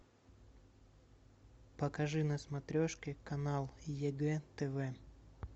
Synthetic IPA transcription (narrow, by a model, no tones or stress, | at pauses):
pəkɐʐɨnəsmɐt̪ɾʲoʂkʲɪkɐnalˠjɛɡɛt̪ɛvɛ